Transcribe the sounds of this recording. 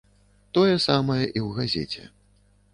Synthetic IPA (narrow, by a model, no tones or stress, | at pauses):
t̪ɔjɛsamɐjɐʔiwɣazʲɛ̰t͡sʲɛ̰